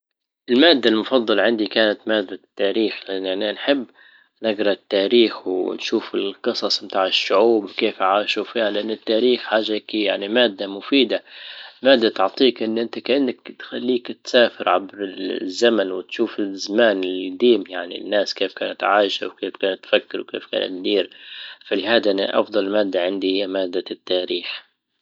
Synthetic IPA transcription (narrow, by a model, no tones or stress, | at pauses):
ɪlmaːd̪ːalmʊfɑd̪ˤːɑlʕɪnd̪ikaːnat̪maːd̪ːat̪ːaːɾiːxlɪʔanːʔanːanħɪbː | nɪɡɾˤɑt̪ːaːɾiːxwnʃuːfɪlqɨsˤɑsˤmt̪aːʕɪʃːʊʕuːbwkeːfʕaːʃufiːhalʔanːɪt̪ːaːɾiːxħaːʒːakija̰ʕnimaːd̪ːamʊfiːd̪amaːd̪ːat̪ʊʕt̪ˤiːkʔɪnːʔɪnt̪akaʔɪnːakt̪xalːiːkt̪saːfɪɾʕa̰bɾɪzːamanwɪt̪ʃuːfɪzamaːnɪlid̪iːmjaʕnḭnːaːskeːfkaːnat̪ʕaːʃa̰wkeːfkaːnat̪ːfakːɪɾwkeːfka̰ːnʔa̰t̪̚d̪iːɾfalɪhaːd̪aʔɪn̰ːʔɑ̰fd̪ˤɑlmaːd̪ːaʕɪnd̪ihɪjːamaːd̪ːat̪ːaːɾiːx